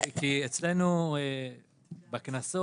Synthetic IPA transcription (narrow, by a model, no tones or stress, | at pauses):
kiet͡slenue | baknaso